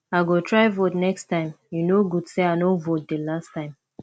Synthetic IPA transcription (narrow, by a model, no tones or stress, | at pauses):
aɡotʰɹaɪvotnɛkstãɪ̃m | junoɡudseaɪnovot̚delastãɪ̃m